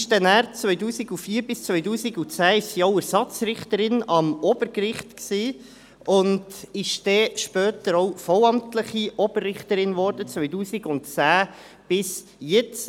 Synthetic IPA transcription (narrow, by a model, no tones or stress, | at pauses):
ʃd̥ɛnæːɾt͡sʋœʏduːsiɡufiːɾbɪst͡sʋœʏduːsiɡut͡sæːɪʃsiɔʊæɾsɑt͡sɾɪχtəɾɪnɑmɔb̥əɾkɾɪχtksiː | ʊndɪʃd̥ɛːʃpœːtəɾɔʊwfɔwɑmtləχiɔb̥ərːɪχtəɾɪnvɔːɾd̥ət͡sʋœʏduːsiɡʊntt͡sæː | b̥ɪs | jɛt͡s